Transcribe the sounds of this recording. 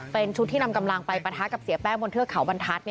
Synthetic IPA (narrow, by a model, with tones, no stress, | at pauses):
pe˧nt͡ɕʰu˦˥t̪ʰːiː˥˩na˧mka˧mla˧ŋpa˧jpa˧t̪ʰaː˦˥ka˨˩p̚si˨˩˦pɛː˥˩ŋbo˧nt̪ʰɯ˥˩əkʰa˨˩˦wba˧nt̪ʰa˦˥t̪̚ni˥˩